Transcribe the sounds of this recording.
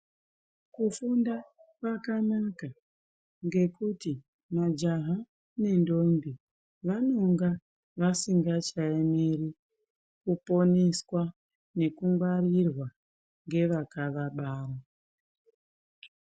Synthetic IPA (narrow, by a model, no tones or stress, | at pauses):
kufundakwakanaka | ŋɡe̞kuti | mad͡ʒaɦa | ne̞ndo̞mbi | ʋano̞ŋɡa | ʋasiŋɡat͡ʃaemeri | kupo̞niskwa | ne̞kuŋɡwarirwa | ŋɡe̞ʋakaʋaɓaːra